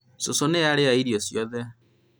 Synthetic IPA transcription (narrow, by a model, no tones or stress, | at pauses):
sosoneaɾeaiɾiɔsiɔðɛ